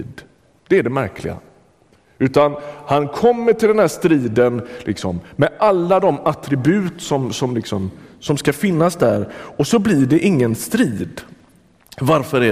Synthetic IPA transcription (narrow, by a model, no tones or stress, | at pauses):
d̪ | d̪̥ɛæɖɛmæɾkʰlɪɡa̰ | ʉ̟ːt̪anhankʰɔmːəʈɪld̪ɛnæːʂt̪ɾiːd̪ənlʔɪ̰ksɔmːɛʔalːad̪ɔmat̪ɾɪbʉ̟ːt̪sɔmsɔmlɪksɔmsɔmskafɪnːasd̪æɾɔsɔblɪɖɛʔɪŋːənst̪ɾiːd̪ | vaɾfœɾæ